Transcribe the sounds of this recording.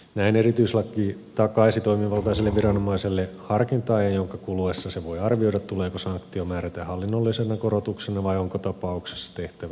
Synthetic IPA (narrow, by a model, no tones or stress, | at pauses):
næinerit̪yiselːɑkːˑiːt̪ɑkɑisit̪o̞imiʋɑlt̪ɑiselːeʋʋiɾɑnomɑiselːehɑrkint̪ɑienjoŋkɑkuluesːɑseʋoijɑrʋiojdɑt̪t̪uleːkosɑŋkt̪iomæːɾæt̪æhɑlːinːolːisenɑkoɾot̪uksenɑʋɑioŋkot̪ɑpɑukse̥sːɑ̥t̪eht̪æʋæ